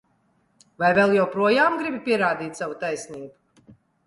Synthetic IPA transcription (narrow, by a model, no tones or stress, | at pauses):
vajvɛlˠjawpɾuɔjaːmɡɾibipʲiɛɾaːd̪iːt̪ʲsavut̪ajsniːbu̥